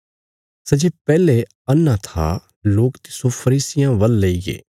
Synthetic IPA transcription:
sɐd͡ʒepɛːle | ɐnːãt̪ʰa̰ | loːkt̪ɪ̥sopʰɐɾiːsɪjãʋɐlːɐiɡḛː

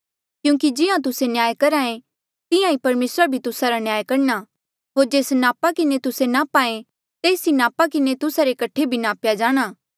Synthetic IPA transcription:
kjũːkid͡ʒɪãt̪̬ʊsenjaːjkɐɾaːẽ | t̪ɪjãipɐɾmeːsɾabʱit̪ʊsaɾanjaːjkɐɽña | ɦoːɾd͡ʒeːsnaːpakɪnet̪ʊsenapaːẽ | t̪eːsinaːpakɪnet̪ʊsaɾekɐʈʰːebʱinaːpjad͡ʒaːɽ̃aː

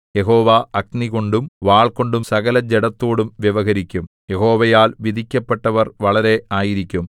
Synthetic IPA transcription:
je̞ɦo̞ːʋaɐkniɣo̞ɳɖumʋaːɭko̞ɳɖumsɐɣɐlɐd͡ʑeɽɐt̪ːoːɽumʋjɐʋɐɣɐɾikʲːum | je̞ɦo̞ːʋɐjaːlʋid̪ʱikʲːɐpːe̞ʈːɐʋɐrʋɐɭɐɾe̞aːjiɾikʲːum

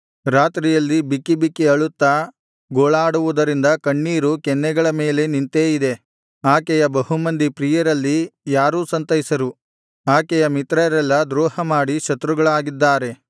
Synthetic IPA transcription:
ɾaːt̪ɾijɐlːibikibikːiɐɭut̪ːa | ɡoːɭaːɽuʋud̪ɐɾind̪ɐkɐɳːiːɾukɛnːɛɡɐɭɐme̞ːle̞nint̪eːid̪e̞ | aːkɛjɐbɐɦumɐnd̪ipɾiːjɐɾɐlːijaːɾuːsɐnt̪ɐɦisɐɾu | aːkɛjɐmit̪ɾɐɾɛlːɐd̪ɾɔːhɐmaːɽiʃɐt̪ɾuɡɐɭaːɡid̪ːaːɾe̞

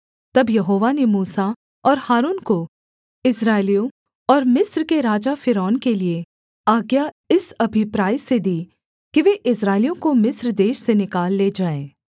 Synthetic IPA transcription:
t̪ɐbjɐɦoːʋanemuːsa | ɔːɾhaːɾuːnko | ɪsɾaːɪlijõ | ɔːɾmɪsɾkeɾaːd͡ʒafɪɾɔːnkelie | aːɡja | ɪsɐbʱɪpɾaːised̪iː | kiʋeːʔɪsɾaːɪlijõkomɪsɾd̪eːʃsenɪkaːlːeːd͡ʒaːeː

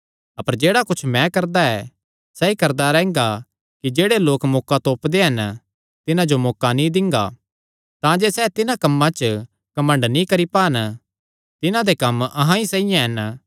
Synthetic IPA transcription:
ɐpəɾd͡ʒeːɽakʊt͡ʃʰmɛ̃kɐɾd̪aɛː | sɛːikɐɾd̪aɾɛ̃ːŋɡa | kid͡ʒeːɽeloːkmoːkat̪oːpd̪eɦɐn | t̪ɪnãd͡ʒomɔːkanĩd̪ɪ̃ŋɡa̰ | t̪ãd͡ʒesɛːt̪ɪnãkɐmːãt͡ʃ | kɐmə̃ɳɖnĩkɐɾipaːn | t̪ɪnãd̪ekɐmɐɦãisɛ̃ːijãɦɐn

